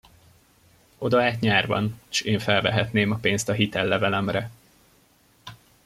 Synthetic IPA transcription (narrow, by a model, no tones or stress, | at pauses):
o̞d̪ɒaːt̪ɲaːrvɒ̰nʃeːɱfɛlvɛ̰ɦɛt̪neːmɒpeːnst̪ɒɦit̪ɛlːɛvɛlɛmrɛ